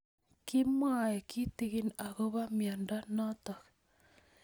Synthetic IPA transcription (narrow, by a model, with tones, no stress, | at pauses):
ki˦mwa˨je˨ki˦ti˦ɣi˦na˨ɣo˦βa˦mja˨nda˦nɔ˦tɔ˨k